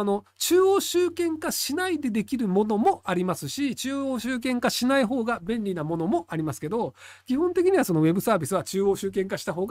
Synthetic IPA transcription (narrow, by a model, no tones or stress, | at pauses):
no̞ | t͡ɕɨːo̞ːɕɨːkẽ̞ŋkaɕinaid̪e̞d̪e̞kʲiɾɯ̟mo̞no̞mo̞ʔaɾʲimasɨɕit͡ɕɨːoːɕɨːk̬ẽ̞ŋkaɕinaiɦo̞ːɡabẽ̞nʲɾʲinamo̞no̞mo̞ʔaɾʲimasɨ̥ke̞d̪o̞ | kʲihõnt̪e̞kʲiɲ̟iβaso̞no̞βe̞bɯ̟saːbʲisɨβat͡ɕɨːo̞ːɕɨːk̬ẽ̞ŋkaɕi̥t̪aɦo̞ːɡ